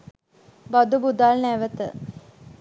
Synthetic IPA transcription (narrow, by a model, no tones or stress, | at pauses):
bad̪ubud̪alnæʋət̪ə